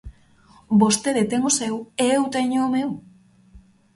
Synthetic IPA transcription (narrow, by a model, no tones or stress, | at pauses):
bo̞st̪eɾet̪eŋɡosewewt̪eɲomew